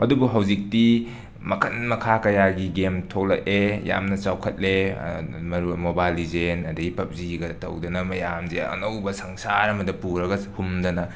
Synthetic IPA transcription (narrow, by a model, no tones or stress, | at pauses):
ɐdubuɦɐwzik̚ti | mɐkʰɐnmɐkʰakɐjaɡiɡemtʰok̚lɐk̚eja̰mnɐt͡ʃawkʰɐt̚lḛ | mɐɾumobajlizenɐdɐɡipɐp̚ziɡɐtɐ̰wdɐnɐmɐjamzeɐ̰nɐwbɐsɐŋsaɾɐmɐdɐpuɾɐɡɐhumdɐnɐ